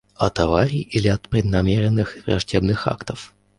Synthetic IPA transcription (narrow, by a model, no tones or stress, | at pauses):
ɐt̪ɐvaɾʲijʔilʲɪɐt̪pɾʲɪd̪nɐmʲeɾʲɪnːɨxɪvrɐ̰ʐdʲebnɨxa̰kt̪əf